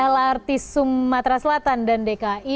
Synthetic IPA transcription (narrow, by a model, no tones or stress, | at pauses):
ɛlart̪isumːat̪ɾasəlat̪andandekaʔi